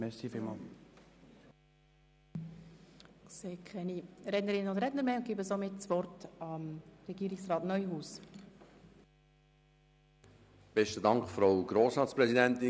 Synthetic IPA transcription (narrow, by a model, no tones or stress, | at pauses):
mɛsiːfilmɑːl | seːkʰχɛniɾɛdnəɾɪnənʊndɾɛtnəɾmeːʊnɡ̥ibəsomɪtsʋɔrtɑmɾɛɡ̥iːɾɪksrɑːtnœʏhuːs | b̥ɛʃtədɑŋkfɾaʊɡ̥ɾoːsɾɑːt̪spɾɛsidɛnt̪ɪ